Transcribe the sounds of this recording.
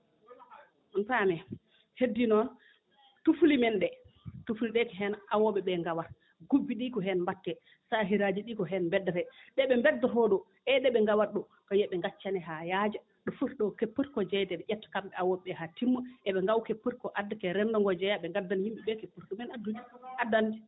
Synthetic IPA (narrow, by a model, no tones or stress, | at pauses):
ɔntamɛ | hedːinɔn | tufulimɛnɗɛtufuliɗɛkɛɦɛnawɔɓɛɓɛŋɡawaɾ | ɡubːiɗiːkɔɦɛnmbatːɛ | saɦiɾad͡ʒiɗiːkɔɦɛnmbɛdːatɛɗɛɓɛmbɛdːɔɦɔɗɔ | ɛɗɛɓɛŋɡawaɾɗɔ | kɔjɛɓɛŋɡat͡ʃːanɛɦajad͡ʒa | ɗɔfuɾɗɔkepːəɾkɔd͡ʒɛjdɛdɛʔɛtːkamɓɛawɔɓɛhatimːɔɛɓɛŋɡawkepːəɾkɔʔadːakɛɾɛndɔŋɡɔd͡ʒɛjaɓɛŋɡadːanhimɓiɓɛkepːəɾkɔmɛnadud͡ʒuʔadːandi